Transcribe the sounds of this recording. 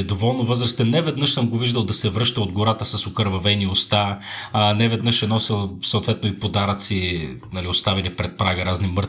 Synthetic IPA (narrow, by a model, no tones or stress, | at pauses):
d̪ovɔlˠnovɤzɾɐst̪ɛnɛvɛd̪nɤʃsəmɡoviʒd̪əlˠd̪ɐsɛvɾɤʃt̪əod̪ɡoɾat̪əsɐsokəɾvɐvɛniost̪a | nɛvɛd̪nɤʃɛnɔsilˠsəot̪vɛt̪noipod̪aɾət̪si | nɐliost̪avɛnipɾɛt̪̚pɾaɡəɾaznimɤɾ